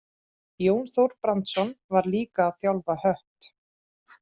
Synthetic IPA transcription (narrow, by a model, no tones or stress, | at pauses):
joːwnθowɾpɾant̪sɔnvaɾliːkaːðθjawlvahœht̪